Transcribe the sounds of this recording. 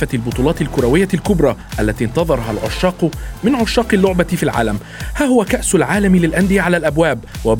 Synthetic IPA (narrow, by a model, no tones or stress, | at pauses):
albʊt̪ˤuːlɑːt̪ɪlkʊɾˤawɪjːalkʊbɾˤɑːʔalːat̪iːnt̪ɑðˤɑɾˤɦalʕʊʃːɑːqmɪnʕʊʃːɑːqɪlːʊʕbafiːlʕa̰ːlam | haːhʊwakaʔsʊlʕaːlamlɪlʔand̪ɪjaʕalaːlʔabwaːbwa